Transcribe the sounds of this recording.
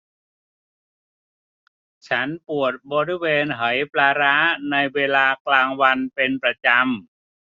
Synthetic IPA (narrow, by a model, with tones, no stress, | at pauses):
t͡ɕʰa˦˥npu˨˩ət̪̚bɔː˧ɾi˦˥˩weː˧nɦa˩˦jplaː˧ɾaː˦˥na˧jweː˧laː˧klaː˧ŋwa˧npe˧npɾa˧t͡ɕa˧m